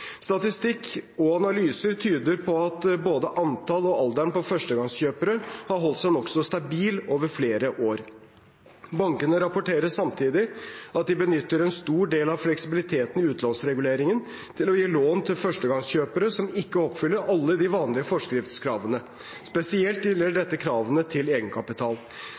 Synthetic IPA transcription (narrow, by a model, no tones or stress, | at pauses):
st̪ɑt̪ɪst̪ɪkːɔɑnɑlyːsəɾt̪ʰyːd̪əɾpʰɔɑt̪boːd̪əʔɑnt̪ʰɑlɔɑld̪æɳpɔfœʂʈəɡɑŋsçøːpəɾəhɑɾɦɔlt̪sæɪnɔksɔst̪ɑbiːloːʋəɾfleːɾəʔoːɾ | bɑŋkənəɾɑpʊʈʰeːɾəsɑmt̪ʰiːd̪ɪɑt̪̚d̪ɪbənʏt̪ːəɾɛnst̪uːɖeːlɑʋflɛksɪbɪlɪt̪ʰeːt̪ənɪʉːt̪nlɑnsɾɛɡʉleːɾɪŋən | t̪ʰɪlɔjeːloːnt̪ʰɪlfœʂʈəɡɑŋsçøːpəɾəsɔmɪkːəɔpfʏlːəɾʔɑlːəd̪ɪʋɑːnlɪəfɔʂkɾɪft̪skʰɾɑːʋənə | spɛsɪɛlt̪jɪləɖɛt̪ːəkʰɾɑːʋənət̪ʰɪleːɡənkʰɑpɪt̪ʰɑːl